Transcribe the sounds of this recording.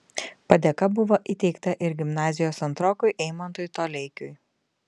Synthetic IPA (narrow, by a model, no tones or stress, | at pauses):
pɐd̪ʲeːkɐbʊʋoːʔit̪ʲɛɪkt̪ɐʔɪɾɡʲɪmnɑːzʲɪjoːsɐnt̪ɾoːkʊjʔɛɪmɐnt̪oːjt̪oːlʲɛɪkʲʊj